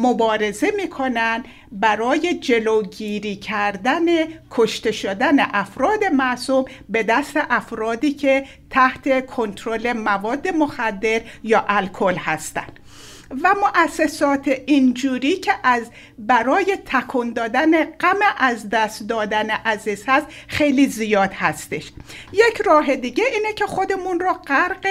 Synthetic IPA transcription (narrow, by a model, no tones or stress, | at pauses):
mobɒːɾe̞ze̞miːkʰo̞nænd̪ | bæɾɒːje̞d͡ʒe̞lo̞ɡiːɾiːcʰæɾd̪ænekʰoʃt̪e̞ʃod̪æneʔæfɾɒːd̪e̞mæʔsumbe̞d̪æst̪e̞ʔæfɾɒːd̪iːcʰe̞ | t̪ʰæht̪ʰe̞kʰo̞nt̪ʰɾole̞mævɒːd̪ːe̞moxæd̪ːe̞ɾjɒːʔælkʰo̞lhæst̪æ̰nd̪ | væmoʔæsːesɒːt̪ʰeʔind͡ʒuːɾiːcʰeʔæz | bæɾɒːje̞t̪ʰækʰund̪ɒːd̪æneɡ̥æmeʔæzd̪æst̪d̪ɒːd̪æneʔæzizhæst̪ | xe̞jlizijɒːd̪̥hæst̪e̞ʃjecʰɾɒːɦe̞d̪iːɟeʔiːnecʰe̞xo̞d̪emunrɒːɡæɾɡe